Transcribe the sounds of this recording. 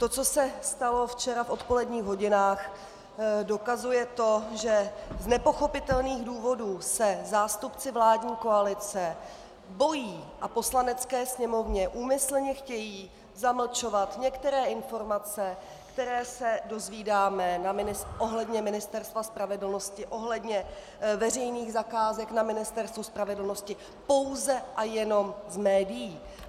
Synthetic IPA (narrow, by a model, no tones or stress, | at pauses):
t̪o̞t͡so̞sɛst̪alo̞ft͡ʃɛɾafʔo̞t̪po̞lɛdɲiːɣɦo̞ɟɪnaːx | do̞kazujɛt̪o̞ʒɛznɛpo̞xo̞pɪt̪ɛlniːɣduːvo̞duːsɛzaːst̪upt͡sɪvlaːdɲiːko̞alɪt͡sɛ | bo̞jiːʔapo̞slanɛt͡skɛːsɲɛmo̞vɲɛʔuːmɪsl̩ɲɛxcɛjiː | zaml̩t͡ʃo̞vat̪ɲɛkt̪ɛɾɛːɪnfo̞ɾmat͡sɛ | kt̪ɛɾɛːsɛdo̞zviːdaːmɛnaɪnɪʔo̞ɦlɛdɲɛmɪnɪst̪ɛɾst̪vaspɾavɛdl̩no̞scɪʔo̞ɦlɛdɲɛ | vɛrɛjniːɣzakaːzɛknamɪnɪst̪ɛɾst̪vospɾavɛdl̩no̞scɪ | po̞wzɛʔajɛno̞mzmɛːdɪjiː